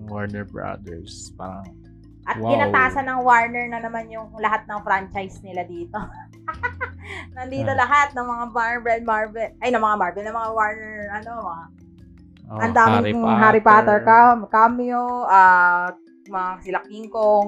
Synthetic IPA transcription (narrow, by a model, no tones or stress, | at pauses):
waɹnɛɹbɹa̰d̪ɛɹspa̰ɾɐ̰ŋ | ʔɐt̪̚kɪnɐt̪aːsɐnɐŋwaɹnɛɹnɐnɐmanjʊŋlɐɦat̪̚nɐŋfɾant͡ʃajsnɪlad̪iːt̪o̞ | nɐnd̪iːt̪o̞lɐɦat̪̚nɐŋmɐŋabaɹbɛd̪̚maɹvɛlʔɐjnɐŋmɐŋamaɹbɛnɐŋmɐŋawaɹnɛɹʔɐnoa | ʔʔɐnd̪aːmmɪnŋɦaɾɪpaːt̪ɛɹkakamjoʔat̪ | mɐŋaɐsɪlɐk̚iŋko